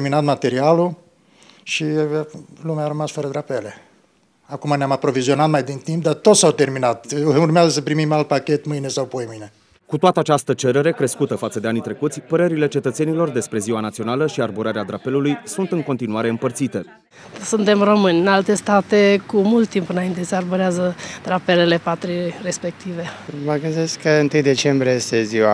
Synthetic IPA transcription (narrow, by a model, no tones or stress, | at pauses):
erminat̪mat̪e̞ɾialu | ʃi | lumeaɾəmasfəɾəd̪ɾape̞le̞ | akumaneamapɾo̞vizio̞nat̪majd̪int̪imp̚d̪art̪o̞t̪sawt̪e̞rminat̪urmeazəsəpɾimimalt̪̚pakʲe̞t̪mɨjne̞sawpojmɨjne̞ | kut̪oat̪əat͡ʃast̪ət͡ʃe̞ɾeɾe̞kɾe̞skut̪əfat̪səd̪e̞anit̪ɾe̞kut̪sʲpəɾəɾile̞t͡ʃe̞t̪ət̪se̞nilo̞rd̪e̞spɾe̞ziwanat̪sio̞naləʃiarbuɾaɾead̪ɾape̞lulujsunt̪ɨŋko̞nt̪inuaɾe̞ɨmpərt̪sit̪e̞ | sunt̪e̞mro̞mɨnʲɨnalt̪e̞st̪at̪ekumult̪t̪ːimpɨnaint̪esearbuɾeazəd̪̥ɾapelele̞pat̪ɾire̞spe̞k̚t̪ive̞məɡɨnd̪e̞skkʰəɨnt̪ɨjd̪e̞t͡ʃe̞mbɾʲiejest̪eziwa